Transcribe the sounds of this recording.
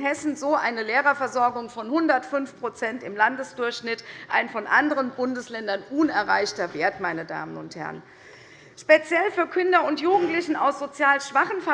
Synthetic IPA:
ɦɛsn̩zoːʔaɪnəleːʁɐfɛɐzɔɐɡʊŋfɔnhʊndɐtfʏnfpʁ̥ot͡sɛntɪmlandəsd̥ʊɐçʃnɪtʔa̰ɪnfɔnʔandəʁənbʊndəslɛndɐnʔuːnɛɐʁa̰ɪçtɐveːɐtmaɪnəda̰ːmənʊnthɛ̰ɐʁən | ʃpet͡sjɛlfyːɐkʰʏndɐʊntjuːɡŋ̩tlɪçn̩a̰ʊsz̥ot͡sjaːlʃv̥aχən̩fɛɐ

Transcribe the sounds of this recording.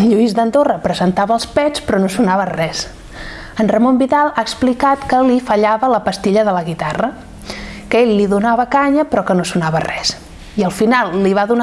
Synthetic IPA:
nʎuizd̪ənd̪orəpɾəzənt̪aβəːlˠspɛt͡spɾɔnosunaβərɛs | ənrəmombiðalˠaəksplikat̪kəlifəʎaβələpəst̪iʎəðələɣit̪arə | kəeʎliðunaβəkaɲəpɾɔkənosunaβərɛs | iəlˠfinalˠːiβ̞aðun

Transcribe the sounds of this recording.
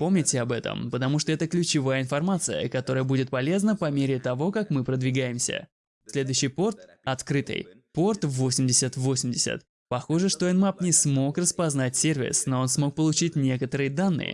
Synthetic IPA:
po̞mnʲɪtʲɪɐbɛt̪ə̰mpət̪ɐmuʂt̪oɛt̪əklʲʉt͡ɕɪvajəɪnfɐrmat̪sɨjə̰kɐt̪o̞ɾəjəbudʲɪt̪̚pɐlʲe̞znəpɐmʲeɾʲɪt̪ɐvo̞kakmɨpɾəd̪vʲɪɡajɪmsʲə̰ | sʲlʲe̞d̪ʊjɕːɪjpo̞rt̪ | ɐt̪kɾɨt̪ɨ̰j | po̞rt̪vo̞sʲɪmdʲɪsʲət̪vo̞sʲɪmʲdʲɪsʲə̰t̪ | pɐxoʐɨʂt̪oɛnmapnʲɪsmo̞krəspɐznatʲsʲervʲɪ̰sno̞o̞nsmo̞k̚pəlˠʊt͡ɕitʲnʲe̞kət̪əɾɨjəd̪anːɨ̰jɪ̰

